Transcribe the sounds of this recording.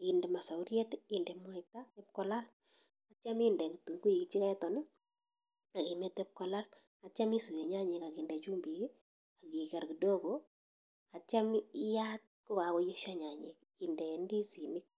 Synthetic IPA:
indɛ˨ma˨sa˨ʊɾjɛ˦tɪndɛ˨mɔ˦ɛ˨ta˦ɛ˦p̚kɔ˦la˦l | a˨t͡ʃa˦mɪ˦ndɛ˨ŋ˨tu˨ŋku˦i˨ki˨t͡ʃi˦ka˦ɛ˦tɔ˨nɛ˦ | a˨kɪ˨me˦tɛ˦p̚kɔ˨la˦l | a˨t͡ʃa˦mi˦su˨e˨ɲa˦ɲɛ˨ka˨ɡɪ˨ndɛ˨t͡ʃu˦mbi˨ki˦ | a˨ɡi˨kɛ˨ɾki˨do˦ɡo | a˨t͡ʃa˦mɪ˦jat̚ | kʊ˦ka˨kɔ˦je˦ʃa˦ɲa˨ɲɛ˨k̚ | ɪ˨ndɛ˨ndi˦si˨nɪ˦k̚

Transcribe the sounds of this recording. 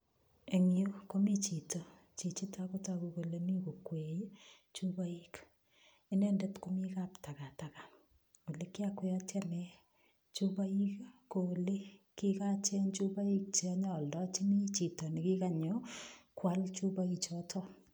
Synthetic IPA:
e˨ŋjo˦ko˦mi˦t͡ʃi˨to˨ | t͡ʃi˨t͡ʃi˦tʰa˦ko˦ta˨ku˨ko˨le˨ni˦ko˨kwe˨j | t͡ʃu˦βa˦i˦k | i˦ne˦ndɛ˦tko˦mi˦ka˦pta˨ɣa˨ta˨ka˨ | o˨le˦kɪ˦a˦kwea˦tja˦nɛ˨ | t͡ʃu˦βa˦i˦kko˨le˦ki˦ka˦t͡ʃɛ˦nt͡ʃu˦βa˦i˦k̚t͡ʃi˨a˦ɲɔ˦˨ldɔ˦t͡ʃi˦ni˦t͡ʃi˨to˨nɪ˨ki˦ka˨ɲo˦kwa˦lt͡ʃu˦βa˦i˨t͡ʃɔ˦tʰɔ˦

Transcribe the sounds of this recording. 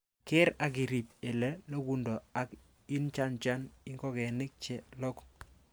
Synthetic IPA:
kɪ˦ɾa˨ɡ̬ɪ˨ɾi˨p̚e˨lɛ˦lo˦ɡu˦ndɔ˨a˨k | i˦nt͡ʃa˦nt͡ʃa˦nɪ˦ŋɡɔ˦ɡɛ˨nɪ˦k̚t͡ʃɛ˨lɔ˦k

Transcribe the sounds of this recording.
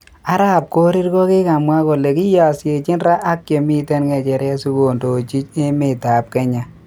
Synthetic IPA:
a˦ɾa˦p̚ko˦ɾi˦rkɔ˦kɪ˦ka˨mwa˦ko˨le˨ki˦ja˨sje˨t͡ʃɪ˦nɾa˦ʔːkje˨mi˦te˦nŋɛ˨t͡ʃɛ˨ɾɛ˦su˦ko˨ndo˨t͡ʃi˦t͡ʃɪ˦mɪ˨ta˨p̚kɛ˦ɲa˨

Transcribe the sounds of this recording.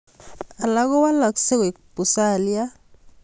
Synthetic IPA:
a˨la˦kɔ˦wa˦la˨kse˦ke˨kpu˨sa˨li˦ja˦

